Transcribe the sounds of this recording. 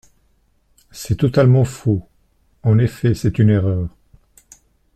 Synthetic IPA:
sɛt̪ɔt̪almɑ̃fu | ɑ̃nefɛsɛt̪yneʁœːʁ

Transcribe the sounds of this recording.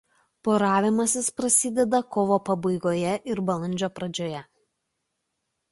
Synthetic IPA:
poɾɑːʋʲɪmɐsʲɪspɾɐsʲɪd̪ʲɛd̪ɐkɔːʋoːpɐbɐɪɡoːjɛʔɪɾbɐlˠɐnʲd͡ʒʲoːpɾɐd͡ʒʲoːjɛ

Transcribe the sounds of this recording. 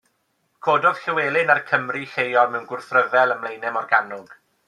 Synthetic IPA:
kʰoːdɔð̥ɬɪweːlˠɪnarkʰəmriɬejɔlˠmɛwnɡʊrθrəvɛlˠəmlˠejnɛmɔrɡanʊɡ̥

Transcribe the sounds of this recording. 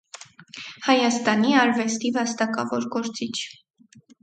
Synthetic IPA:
hɑjɑst̪ɑniɑɾvɛst̪ivɑst̪ɑkɑvɔɾɡɔɾt͡sit͡ʃʰ

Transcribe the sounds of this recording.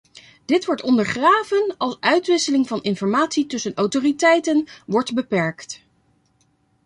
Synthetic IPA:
d̥ɪtʋɔɹtɔndəɹχraːvənɑlˠsœɥtʋɪsəlɪŋvɑnɪnfɔɹmaːtsitɵsənɔwtoːritɛjtənʋɔɹdbəpɛɹkt

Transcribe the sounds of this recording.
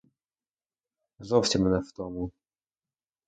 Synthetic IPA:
zɔft͡ɕɛmnɛvt̪ɔmu

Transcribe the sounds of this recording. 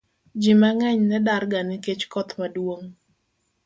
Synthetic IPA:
d͡ʒimaŋɛɲnɛdarɡanɪket͡ʃkɔt̪madwoŋ

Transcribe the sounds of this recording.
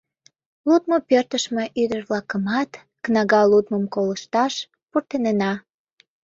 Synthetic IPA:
lut̪̚mopørt̪əʃme̽ʔyd̪ərβlɑkəmɑt̪ | knɑɣɑlut̪məmkoləʃt̪ɑʃ | purt̪enenɑ

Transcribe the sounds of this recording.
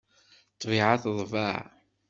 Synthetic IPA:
t̪ˤːviʕaθðˤvaʕ

